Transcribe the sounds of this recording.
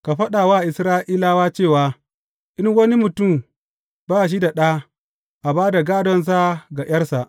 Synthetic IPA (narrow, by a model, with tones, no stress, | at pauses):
ka˨ɸɐ˦ɗa˨waː˦˨ʔɪ˨sɾaː˦ʔiː˦laː˦waː˦t͡ʃeː˦˨waː˦ | ʔɪ˦ŋwɐ˦ni˦mʊ˨tʊ˦˨m | baː˦˨ʃ̬i˦da˨ɗa˦ | ʔa˨baː˦da˨ɡaː˦dɔ˦ns̬a˦ɡa˨j̰ɐ˦rsa˨ʔ